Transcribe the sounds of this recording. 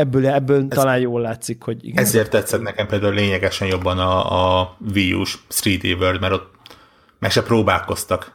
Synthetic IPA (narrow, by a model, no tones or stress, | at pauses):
ɛbːøːlɛbːøːlt̪ɒlaːnjoːlːaːt̪sikho̞ɟḭɡɛzeːrt̪ːɛt̪sɛt̪nɛkɛmpeːld̪aːuleːɲɛɡɛʃɛnjo̞bːɒnɒːviːṵʃsriːd̪ḛːvørd̪mɛɾo̞t̪ | mɛrʃɛproːbaːlko̞st̪ɒk